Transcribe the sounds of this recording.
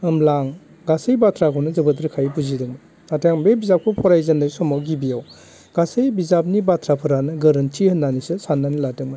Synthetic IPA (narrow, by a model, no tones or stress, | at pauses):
ɯmlaŋ | ɡasɯjbatʰɾakʰɔnɯzɯbɯtɾɯkʰajbuzidɯŋmɯ | natʰejaŋbebizap̚kʰupʰɔɾajzandajsɔmawɡibijaw | ɡ̥asɯjbizap̚nibatʰɾapʰɯɾanɯɡɯɾɯntʰihɯnːanisɯsanːaniladɯŋma